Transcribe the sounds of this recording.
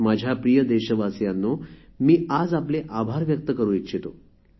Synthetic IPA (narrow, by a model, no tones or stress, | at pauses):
mad͡ʑʱjapɾijəd̪eɕəʋasjanːomiːad͡zapleʔabʱaɾʋjək̚t̪əkəɾũːitːɕʰit̪o